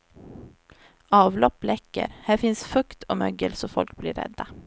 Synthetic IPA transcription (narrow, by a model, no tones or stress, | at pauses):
ɑːvlɔpːlɛkːə̰ɾhæːɾfɪnsfɵkt̪ʰɔmœɡəlsɔfɔlk̚blɪɾɛ̰d̪ːa